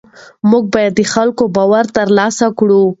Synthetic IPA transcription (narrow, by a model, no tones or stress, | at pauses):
muɡ̚bɑjad̪ːəxalkobɑwaɾt̪əɾlɑsakɽu